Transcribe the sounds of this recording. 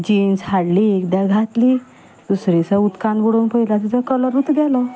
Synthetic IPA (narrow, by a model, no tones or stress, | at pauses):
d͡ʑinshaɽliekd̪jaɡʱat̪li | d̪̥usɾisəut̪kãnbɔɽonpəjlaset͡sakələɾut̪ɡɛlɔ